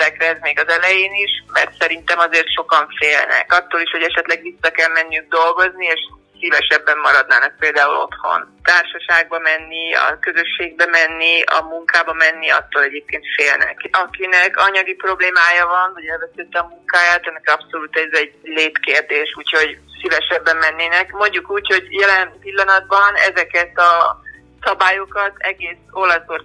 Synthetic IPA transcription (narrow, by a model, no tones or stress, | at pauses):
t̪ɛkrɛɛzmeːɡɒzɛlɛjeːniʃmɛ̰rt̪sɛɾint̪ɛmɒzeːrt̪ʃo̞kɒɱfeːlnɛ̰kɒt̪ːoːliʃho̞ɟɛʃɛt̪lɛɡʋisːɒkɛlmɛnːiyɡ̚d̪o̞lɡo̞znieːʃ | sivɛʃɛbːɛmːɒɾɒd̪naːnɒk̚peːld̪aːulo̞̰t̪ho̞̰nt̪aːrʃɒʃaːɡ̚bɒmɛnːiɒ̰køzø̞ʃːeːɡ̚bɛmɛnːiɒ̰muŋkaːbɒmɛnːiɒ̰t̪ːoːlɛɟeːp̚keːnt̪feːlnɛ̰kɒkinɛkɒɲɒɡipro̞bleːmaːjɒvɒnvɒɟɛlvɛsɛt̪ːɛɒmuŋkaːjaːt̪ɛnːɛkiɒpso̞luːt̪ɛzɛɟleːt̪keːrd̪eːʃuːcho̞ɟsivɛʃɛbːɛmːɛnːeːnɛkmo̞ɲɟukuːcho̞ɟjɛlɛnpilːɒnɒd̪̚bɒnɛ̰zɛkɛt̪ɒ | sɒbaːjo̞kɒt̪ɛɡeːsolɒsor